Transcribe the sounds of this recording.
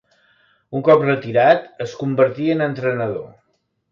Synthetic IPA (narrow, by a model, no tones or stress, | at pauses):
uŋkɔprət̪iɾat̪əskumbəɾt̪iənənt̪ɾənəðo̰